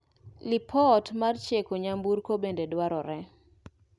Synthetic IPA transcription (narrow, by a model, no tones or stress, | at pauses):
lɪpʰɔtmart͡ʃekoɲambuɾkobendedwaɾɔɾɛ